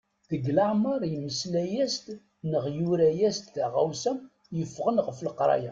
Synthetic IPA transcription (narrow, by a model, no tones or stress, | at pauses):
ðəɡlaʕməɾˤjəmːəslæjæst̪ | nəʁjuɾæjæst̪θaʁæwsæm | jəfːʁənʁfləqɾˤɑ̰ja